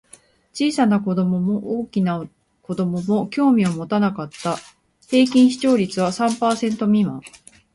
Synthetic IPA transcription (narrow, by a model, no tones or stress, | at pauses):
t͡ɕiːsanako̞d̪o̞mo̞mo̞ʔoːkʲina | ko̞d̪o̞mo̞mo̞kʲo̞ːmʲio̞mo̞t̪anakat̪ːa | he̞ːk̬ʲĩɰ̃çi̥t͡ɕo̞ːɾʲit͡sɨβ̞asãmpaːsẽ̞nt̪o̞mʲima